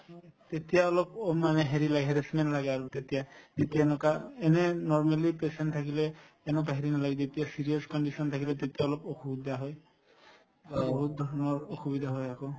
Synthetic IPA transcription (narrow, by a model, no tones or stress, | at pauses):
t̪et̪ijaɔlɔpmanɛɦeɹilaɡɛɦeɹesmɛnlaɡɛaɹut̪et̪ijad̪et̪ijanɔkaɛnɛnɔɹmalipesɛntʰakilɛː | nɔbaɦiɹinalaɡɛzet̪ijasiɹijɔskɔnɖisɔnt̪ʰakilɛt̪et̪ijaɔlɔpoxubid̪ʱaɦɔj | abɔɦut̪̚d̪ʱɔɹɔnɔɹoxubid̪ʱaɦɔjako